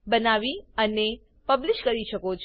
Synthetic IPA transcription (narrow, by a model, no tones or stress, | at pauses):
bənaʋiəne | pəblɪʃkəɾiʃəkot͡ʃʰ